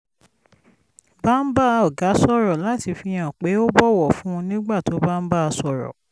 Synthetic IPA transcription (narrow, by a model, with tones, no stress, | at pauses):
ba˦˨n̩˦ba˦˧ɔ˨ɡa˨˦sɔ˦ɾɔ˨la˨˦ti˧fi˧j̃ã˨k͡pe˨˦o˦bɔ˦wɔ˨fũ˨˦ũ˧nĩ˦ɡ͡ba˦˨to˨˦ba˦n̩˦ba˦a˧sɔ˨ɾɔ̰˨